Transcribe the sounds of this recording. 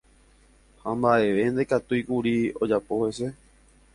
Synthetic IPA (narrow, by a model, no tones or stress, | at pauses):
hãmbaʔe̞ʋe̞nd̪e̞kat̪uikuɾio̞d͡ʒapo̞he̞se̞